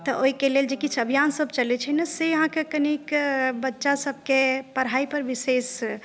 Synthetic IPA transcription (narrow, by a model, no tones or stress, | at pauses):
t̪əʔoikeleld͡ʒekit͡ʃʰəbʱijansəbʱt͡ʃəlɛt͡ʃʰɛnəseɦãkekənikbətːʃasəb̚ʱkepəɽɦaipəɾʋises